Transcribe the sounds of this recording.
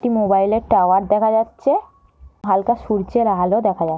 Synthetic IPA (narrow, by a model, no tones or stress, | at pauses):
ʈimobajleɾʈawaɾd̪ɛkʰad͡ʑatːɕʰe | ɦalkaʃuɾt͡ɕeɾaɦalod̪ɛkʰaa